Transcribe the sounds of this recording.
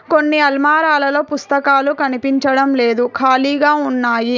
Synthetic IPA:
ko̞nːiɐlmaːɾaːlɐlo̞ːpust̪ɐkaːlukɐnipiɲt͡ʃɐɽɐmleːd̪ukʰaːliːɡaːunːaːji

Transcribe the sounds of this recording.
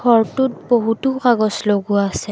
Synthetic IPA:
ɔɹtʊt̚boɦutukaɡɔsloɡʊaːsɛ

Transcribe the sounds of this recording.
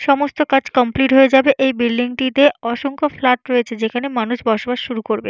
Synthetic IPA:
ʃɔmost̪okad͡ʑkɔmpliʈɦoed͡ʑabeʔejbilɖiŋʈid̪eɔʃoŋkoflaʈɾoet͡ɕʰed͡ʑekʰanemanuʃbɔɾʃobaʃʃuɾukoɾbḛ

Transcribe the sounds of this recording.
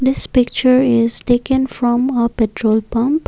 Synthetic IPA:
d̪ɪspɪkt͡ʃəɾɪzʈeːkə̃nfɾɔ̃məpɛʈɾoːlpʌ̃mp

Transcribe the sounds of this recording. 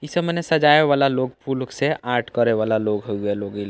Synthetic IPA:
isəbmənesəd͡ʒaeʋalaloɡpʰulkseaɾʈʰkəɾeʋalaloɡɦoueloɡil

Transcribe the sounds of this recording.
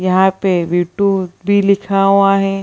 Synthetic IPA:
jɐɦãpeʋiːʈubʱilɪkʰaɦʊaɦɛ̃ː

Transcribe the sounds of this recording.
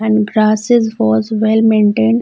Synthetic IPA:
ɛ̃ɳɖɡɾaːsɪzʋɔːzʋɛlmẽːɳʈẽːɳɖ

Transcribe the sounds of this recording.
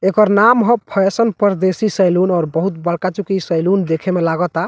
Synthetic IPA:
ekəɾnamɦɔ̃pʰɔesənpəɾd̪esisəjlunɔːɾbəɦut̪̚bəɽkat͡ʃukisəjlund̪ekʰemelaɡət̪a

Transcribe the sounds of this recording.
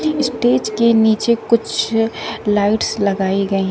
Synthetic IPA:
ɪsʈeːd͡ʒkeniːt͡ʃekʊt͡ʃʰ | laːɪʈslɐɡaːiɡɐiɦ

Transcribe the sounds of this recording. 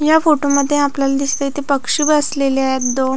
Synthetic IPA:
jafoʈuməd̪ʱːjeapljalad̪islet̪epəkʂiːbəsleleajat̪d̪on

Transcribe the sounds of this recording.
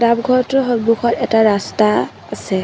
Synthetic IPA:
dabɡʱɔɹɔtʊɦɔɹbukʰɔɹɛtaɹasta | asɛ

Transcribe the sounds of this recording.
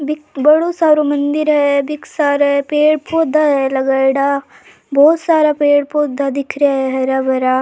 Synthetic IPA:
bɪkbɐɽosaːɾomɐ̃nd̪ɪɾɦɛbɪksaːɾɛpeːɽpoːd̪ʱaɦɛlɐɡaɽa | bɔːt̪saːɾapeːɽpoːd̪ʱːad̪ɪkʰɾjaɦɛɦɛɾabɐɾaː

